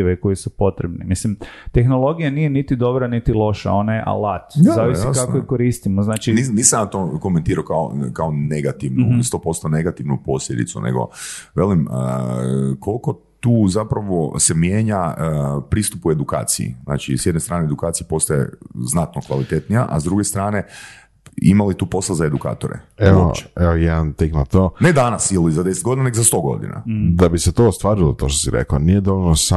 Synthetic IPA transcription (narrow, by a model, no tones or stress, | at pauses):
ʋeko̞jesupo̞t̪ɾebnimislimt̪e̞xnolˠo̞ɡijanije̞nit̪id̪o̞bɾanit̪ilˠo̞ʃa̰o̞najeʔa̰lat̪zaʋiskakkojekoɾist̪imoznaːt͡ʃininiːsamjat̪oko̞ment̪iːɾaokao̰kaoneɡat̪iʋnust̪o̞ːpo̞st̪one̞ɡat̪iʋnuposʎʲed̪ḭtsṵnḛɡo̞̰ʋelimə | kolko̞ | t̪uːzapɾaʋosemjeːɲaəpɾiːst̪upue̞d̪uka̰ːt̪sḭḭzna̰ːt͡ʃḭsjed̪nest̪ɾaːneed̪ukaːt̪sijipo̞st̪aje̞̰znat̪nokʋalit̪e̞t̪nija̰ʔazd̪ɾuɡest̪ɾaːne̞ | imalit̪uːpo̞slazae̞d̪uka̰ːt̪o̞̰ɾḛeopt͡ʃe̥eojed̪ant̪eknat̪oːne̞d̪anasjilizad̪e̞set̪ɡo̞d̪inaneɡozast̪o̞ɡo̞̰d̪ḭna̰d̪abiset̪oːst̪ʋaːɾilot̪oːʃt̪o̥siɾḛkanijed̪oʋolnosa